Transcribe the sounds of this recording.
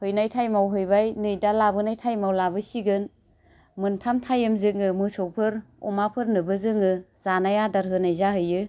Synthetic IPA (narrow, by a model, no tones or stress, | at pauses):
hɯjnajtʰajmawɦɯjbajnɯjdalabɯnajtʰajmawlabɯsiɡɯn | mɯntʰamtʰajɯmzɯŋɯmɯsɔwpʰɯɾɔ̰mapʰɯɾnɯbɯzɯŋɯz̥anajadaɾɦɯnajzaɦɯjɯ